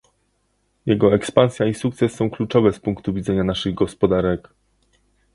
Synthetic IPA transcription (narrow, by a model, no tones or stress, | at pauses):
jɛɡɔɛkspañsʲjaisuk̚t̪sɛsːɔ̃w̃klut͡ʂɔvɛspuŋkt̪uvʲid̪zɛɲanaʂɘɣɡɔspɔd̪aɾɛk